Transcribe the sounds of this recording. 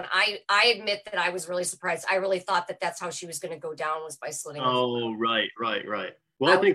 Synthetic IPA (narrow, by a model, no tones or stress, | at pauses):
na̰ɪʔaɪɨd̚mɪt̪̚ðɨɾaɪwʌzɹɪlˠisə˞pʰɹ̥aɪzda̰ɪɹɪlˠiθɔt̪̚ðɨt̪̚ðætshaʊʃiwʌzɡʌnɨɡoʊdãʊ̃nwʌzbaɪslɪɾɪ̃oɹaɪt̚ɹaɪt̚ɹaɪt̚ | wɛlˠaɪθɪ̃ŋk